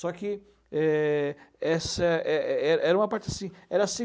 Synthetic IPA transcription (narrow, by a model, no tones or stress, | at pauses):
sɔkɪ | ɛ | ɛsɐɛɛɛɾɐʔɛɾɐũmɐpaɾt͡ʃɪasĩɛɾɐsi